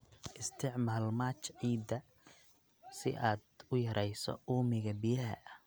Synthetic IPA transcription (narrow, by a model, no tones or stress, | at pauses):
ʔɪst̪ʰɪʕmaːlmaːt͡ʃʕiːd̪ɐ | sɪ̰ʔaːd̪ʊjɐɾʔɛjsɔ̰uːmɪɣɐbɪjɐɦɐ̰ʔɐ